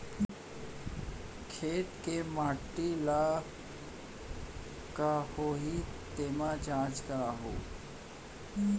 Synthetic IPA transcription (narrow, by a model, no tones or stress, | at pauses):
kʰeːʈkemaːʈːila | kahoɦit̪eːmad͡ʒaːd͡ʒkaɦo̰ː